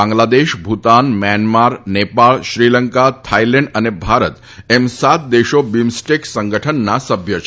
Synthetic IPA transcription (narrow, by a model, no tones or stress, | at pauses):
ãŋɡlad̪eɕbʱut̪anmjanmaɾnepaɭɕɾiləŋkat̪ʰajlɛ̃ɳɖənebʱaɾət̪ | emsat̪̚d̪eɕobimsʈeksəŋɡəʈʰənːasəbʱjət͡ɕʰ